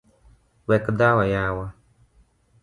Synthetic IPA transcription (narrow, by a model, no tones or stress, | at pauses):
wɛkɨdaːwajaːwa